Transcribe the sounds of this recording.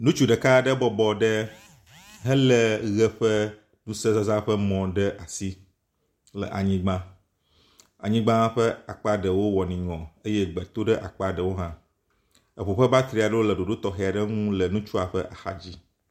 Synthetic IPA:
nũ˦t͡ʃu˦ɖə˨ka˦ɖə˦bɔ˦bɔ˨ɖɛ˦ | ɦɛ˦lɛ˨ɣɛ˦ɸɛ˦ | nũ˦sə˦za˦za˦ɸə˦mɔ̃˨ɖɛ˦ʔa˨si˦ | lə̰˨ʔa˨ɲĩ˦ɡ͡bã˦ | a̰˨ɲĩ˦ɡ͡bã˦ɸɛ˦a˨k͡pa˦ɖə˨wo˦wɔ˨nĩ˨ŋɔ̃˨ə˦jɛ˦ɡ͡bɛ˨t̪o˦ɖɛ˦ʔa˨k͡pa˨ɖə˨wo˦ɦã˦ | ə˨ɸo˨ɸɛ˦ba˦t̪ɾi˨a˨ɖə˦wo˦lə˨ɖo˨ɖo˦t̪ɔ˨xɛ˨a˨ɖə˦ŋũ˦lə˨nũ˦t͡ʃu˦a˨ɸɛ˦ʔa˨xa˨d͡ʑi˦

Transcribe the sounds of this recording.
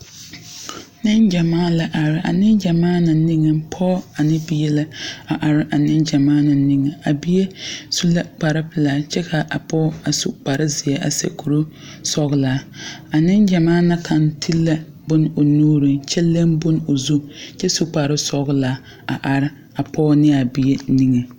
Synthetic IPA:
nɪ˦nd͡ʒa˨maː˦la˨ʔa˨ɾɪ˨ʔa̰˨nɪ˦nd͡ʒa˨maː˦na˨ni˦ŋɛ˨pʰɔ˦a˨nɪ˦bi˦jɛ˦la˦a˨ʔa˨ɾɪ˦ʔa˨nɪ˦nd͡ʒa˨maː˦na˨ni˦ŋɛ˨a˨bi˦je˦su˦la˦k͡pa˨ɾɪ˦pɪ˨laː˨t͡ʃɛ˦kʰa˨ʔa˨pɔ˦a˨sṵ˨k͡pa˨ɾɪ˦zɪ˨ɛ˨ʔa̰˨sḛ˨ku˨ɾu˦ | sɔ˦ɣla˨˦a˨nɪ˦nd͡ʒa˨maː˦na˨kʰa˨ntʰi˦lːa˦ | bʊ˦n˦o˨nuː˦ɾi˨t͡ʃɛ˦le˦mbʊ˦n˦o˨zu˦t͡ʃɛ˦su˨k͡pa˨ɾɪ˦sɔ˨ɣla˨˦ | a˨ʔa˨ɾɪ˦ | a˨pʰɔː˦nɪ˦a˨bi˨e˦ni˦ŋe˨

